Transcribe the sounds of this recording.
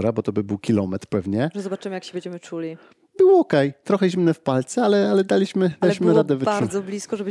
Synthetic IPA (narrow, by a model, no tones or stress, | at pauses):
ɾabɔt̪ɔbɘbɘwkʲilɔmɛt̪ɾpɛvɲɛʐɛzɔbat͡ʂɘmɘjakɕɛbʲɛɲd͡ʑɛmɘt͡ʂulʲi | bɘwɔɔkɛjt̪ɾɔxɛʑimnɛfpalt̪sɛalɛalɛd̪alʲiɕmɘd̪aliɕmɘɾad̪ɛvaɾzɔblʲiskɔʐɛb